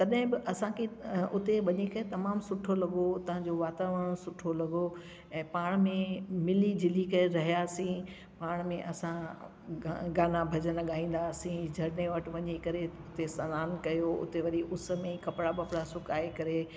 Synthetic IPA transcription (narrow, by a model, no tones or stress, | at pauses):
t̪ɐɗɦɪ̃bɪʔɐsãkʰeʊt̪eʋɐɲekɐɾet̪ɐmaːmsʊʈʰolɐɡot̪ɐɦãd͡ʑoʋaːt̪aːʋəɽ̃sʊʈʰolɐɡo | ɛ̃ːpaːɽ̃mẽmɪlid͡ʑɪlikɐɾeɾɐɦijaːsĩ | paːɽ̃mẽʔɐsã | ɡaːnabʱɐd͡ʑənlɐɠaːĩːn̆d̪aːsĩd͡ʑʱɐɽneʋɐʈʋɐɲekɐɾeʊt̪esɐnaːnkɐjoʊ̰t̪eʋɐɾiʔʊs̆mẽkɐpɽabɐpɽasʊkaːekɐɾe